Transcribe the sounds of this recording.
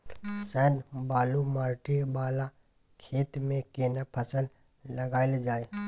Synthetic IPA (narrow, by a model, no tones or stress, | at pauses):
sɛːnbaːlumaːɾʈibaːla | kʰeːt̪mẽkeːnəpʰəsəl | lɐɡaːɪld͡ʒaːe